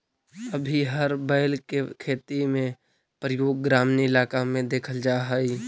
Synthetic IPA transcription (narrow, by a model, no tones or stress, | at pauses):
əbʱiɦəɾbəɪlkekʰeːt̪imẽ | pɾəjoːɡ̚ːɾaːmniɪlaːkamẽd̪eːkʰəld͡ʒaːɦai